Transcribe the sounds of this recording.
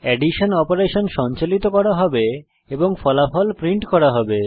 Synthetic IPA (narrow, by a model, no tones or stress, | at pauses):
ɛɖiʃonɔpoɾeʃonʃɔɲt͡ɕalit̪okɔɾaɦɔbe | eboŋfɔlafɔlpɾiɳʈkɔɾaɦɔbe